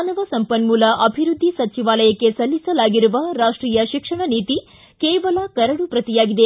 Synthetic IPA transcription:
nɐʋɐsɐmpɐnmuːlɐʔɐbʱiɾud̪ʱːisɐt͡ʃiʋaːlɐjɐkːe̞sɐlːisɐlaːɡiɾuʋɐɾaːʂʈɾiːjɐʃikʂɐɳɐniːt̪i | keːʋɐlɐkɐɾɐɽupɾɐt̪ijaːɡid̪e

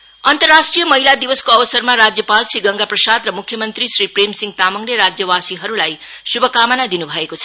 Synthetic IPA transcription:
ʌnt̪ʌrːasʈrijʌmʌɦilad̪iwʌskoʌbʌsʌrmaɾad͡zjʌpalsiɡʌŋɡaprʌsad̪rʌmukʰjʌmʌnt̪risɾipremsiŋɡt̪amʌŋneɾad͡zjʌwasiɦʌɾulaj | subʱʌkamʌnad̪inubʱʌekot͡sʰʌ̥

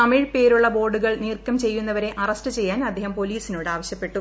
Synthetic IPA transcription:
ɐmiɻpe̞ːɾuɭːɐbo̞ːɖuɣɐɭniːrkːɐmt͡ɕe̞jːun̪ːɐʋɐɾe̞ʔɐrɐstɨt͡ɕe̞jːaːnɐd̪ʱːeːhɐmpo̞liːsinoːɽaːʋɐɕjɐpːe̞ʈːu

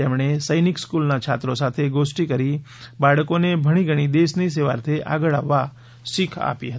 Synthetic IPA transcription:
eːmɽ̃esəɪnɪkskuːlnat͡ʃʰaːt̪ɾõsaːt̪ʰeɡoːsʈikəɾi | baːɽəkõnebʱəɽ̃iɡʱəɽ̃id̪eːsniseːʋa̰ːɾt̪ʰeʔa̰ːɡəɭa̰ʋːa | sɪkʰa̰ːpiɦət̪ː

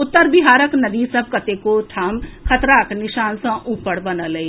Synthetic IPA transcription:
ʊt̪ːəɾbɪɦaːɾəknɐd̪isɐb̚kɐt̪ekoʈ̪ʰaːmkʰɐt̪ɾaːknɪʃaːnsɐ̃ʔuːpːəɽbɐnəlɐe

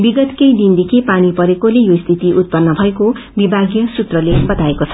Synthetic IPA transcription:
biɡʌt̪kejd̪ind̪ekʰipanipʌɾekolejoist̪ʰit̪iʔut̪̚pʌnːʌbʱʌekobibʱaɡjʌsut̪rʌlebʌt̪aekot͡sʰʌ̥

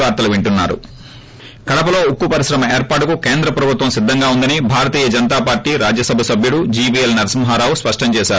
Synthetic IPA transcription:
aːɾt̪ɐluʋiɳʈunːa̰ːɾṵ | kɐɽɐpɐlo̞ːukːupɐɾisɾɐmɐeːɾpaːʈukukeːnd̪ɾɐpɾɐbʱut̪ʋɐmsid̪ʱːɐŋɡaːund̪ɐnibʱaːɾɐt̪iːjɐd͡ʒɐnɐt̪aːpaːɾʈiːɾaːd͡ʒjɐsɐbʱɐsɐbʱjuɽud͡ʒiːpiːelnɐɾɐsɐmɐɦaːɾaːʋuspɐʂʈɐmt͡ʃɛːʃaː

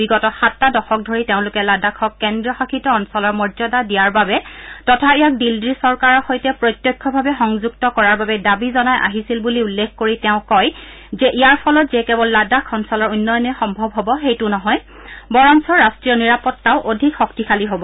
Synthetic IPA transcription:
biɡɔtɔxatːadɔxɔk̚dʱoɹiteʊ̃lʊkɛladakʰɔkːɛndɹɔxakʰitɔɔnsɔlɔɹmɔzɔdadijaɹbabɛtɔtʰaɛjak̚dildɹisɔɹkaɹɔxojtɛpɹɔjtːjɔjkʰːɔbʱabɛxɔŋzuɡtɔkɔɹaɹbabɛdabizɔnajʔa̰ɦisilbuliulːekʰkoɹitɛʊ̃kɔj | zɛʔijaɹpʰɔlɔtzɛkɛbɔlːadakʰɔnsɔlɔɹunːɔjɔnɔxɔmbʱɔbɦɔbɔxejtʊnɔɦɔj | bɔɹɔnsɔɹːastɹijɔniɹapɔtːaʊʔodʱikxɔktikʰaliɦobɔ

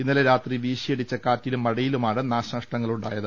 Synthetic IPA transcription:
inːɐleɾaːt̪riʋiːɕijeɽit͡ɕːɐkaːtːilumːɐɽɐjilumaːɳɨnaːɕɐɐʂʈɐŋːɐɭuɳɖa̰ːjɐðɨ

